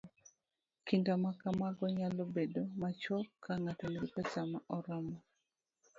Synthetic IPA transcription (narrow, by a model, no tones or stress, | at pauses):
kintamakamaɡɔɲalobedomat͡ʃɔkʰaŋatomiɾipɛsamaʔɔɾɔmɔ